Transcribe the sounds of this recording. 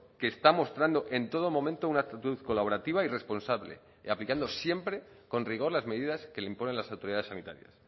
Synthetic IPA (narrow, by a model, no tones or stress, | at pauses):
ke̞ːst̪amo̞st̪ɾand̪o̞ʔe̞nt̪o̞ð̞o̞mõ̞mẽnt̪o̞unakt̪at̪uθko̞laβo̞ɾat̪iβaire̞spo̞nsaβlḛ | aplikand̪o̞sje̞mpɾe̞ | ko̞nriɣ̞o̞ɾlazme̞ðiðaske̞leimpo̞ne̞nlasawt̪o̞ɾiðaðesanit̪a̰ɾja̰s